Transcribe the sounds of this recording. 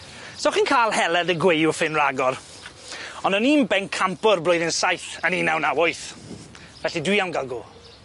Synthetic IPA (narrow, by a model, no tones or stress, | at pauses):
soχiːnkʰaːlˠhɛlˠɛdəɡwejʊfɪnraɡɔr | ɔndɔniːmbɛnkʰampʊrblʊjðɪnsajθəniːnawnawojθ | vɛɬidwiawnɡalˠɡoː